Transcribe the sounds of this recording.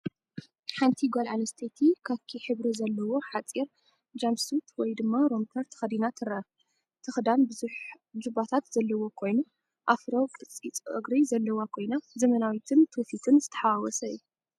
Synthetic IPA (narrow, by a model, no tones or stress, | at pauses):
ħant̪ʰiɡalʕanɐst̪ʰet̪ʰikʰaβkʰiħɨβɾizɐlːɐwo̞ħat͡sʼiɾ | d͡ʒamsut̪ʰwɔjd̪ɨmːaɾomt̪ʰɐɾt̪ʰɐ̥xɐd̪inat̪ʰɨɾɐ | t̪ʰɨxd̪anbɨzuħ | d͡ʒɨbat̪ʰat̪z̥ɐlːɐwo̞kʰo̞jnu | ʔafɾokʼɨt͡sʼːit͡sʼʔɨ̰ɡɾizɐlːɐwakʰo̞jnazɐmɐnawit̪ʰɨnt̪ʰɨfit̪ʰɨnzɨt̪ʰɐ̥ħaawɔsɐju